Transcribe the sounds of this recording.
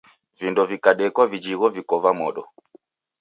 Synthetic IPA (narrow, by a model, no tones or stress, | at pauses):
vindɔvikaɗɛkwavid͡ʒiɣɔvikɔvamɔɗɔ